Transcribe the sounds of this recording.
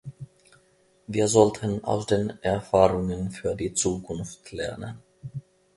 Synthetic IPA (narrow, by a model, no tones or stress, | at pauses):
viːɐzɔltʰəna̰ʊsd̥eːnʔɛɐfaːʁʊŋənfyːɐdiːt͡suːkʰʊnftlɛɐnə̰n